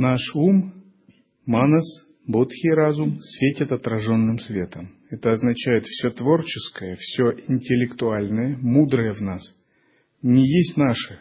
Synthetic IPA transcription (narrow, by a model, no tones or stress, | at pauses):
naʂum | manəs | bot̪xʲɪjɾazʊmsvʲetʲɪt̪ɐt̪ɾɐʐo̞nːɨmsvʲe̞t̪əm | ɛt̪əɐznɐt͡ɕæjɪt̪fsʲɵt̪vo̞rt͡ɕɪskəjəfsʲoʔɪnʲtʲɪlʲɪkt̪ʊalʲnəjəmud̪ɾəjəvnas | nʲɪjesʲtʲnaʂɨ